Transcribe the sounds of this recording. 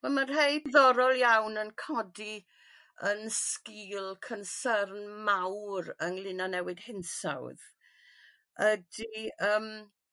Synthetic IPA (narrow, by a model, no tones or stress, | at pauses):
vɛmarɦejðɔɾɔlˠjawnənkʰɔdi | ənskiːlˠkʰənsərnmawɾənlˠɪnanɛwɨd̥hɪnsa̰wð | ədiəːm